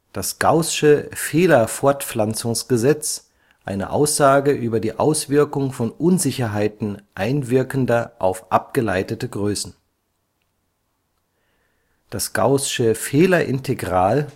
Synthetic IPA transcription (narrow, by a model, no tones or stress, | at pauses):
d̥asɡ̥aʊsʃəfeːlɐfɔɐtflant͡sʊŋsɡ̥əzɛt͡s | ʔaɪnə̰ʔa̰ʊsz̥aːɡəʔyːbɐdiːʔaʊsv̥ɪɐkʊŋfɔnʔʊnzɪçɐɦaɪtn̩ʔaɪnvɪɐkən̩dɐʔaʊfʔa̰p̚ɡ̥əlaɪtətəɡʁøːsn̩ | d̥asɡ̥a̰ʊsʃəfeːlɐʔɪntʰeɡʁaːl